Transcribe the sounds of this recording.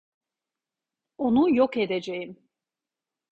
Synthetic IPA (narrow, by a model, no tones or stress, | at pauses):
onujoked̪ed͡ʒejim